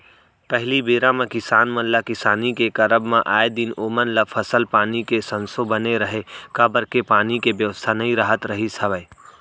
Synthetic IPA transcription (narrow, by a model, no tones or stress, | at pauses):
pəɦlibeːɾãmẽkɪsaːnmə̃nlakɪsaːnikekɐɾəbmãʔaːed̪ɪnoːmənlafʰəsəlpaːnikesə̃nsobəneɾəɦekabəɾkepaːnikebjəʋəst̪ʰanɐɦĩɾaːɦət̪ɾɐɦisʰɐʋəː